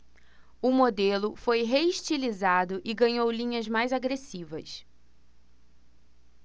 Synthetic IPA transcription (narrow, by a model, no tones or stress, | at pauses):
ʊmod̪elʊfojɦeiʃt͡ʃilizad̪ʊʔɪɡɐ̃ɲowlĩɲɐzmajzaɡɾesivɐ̰s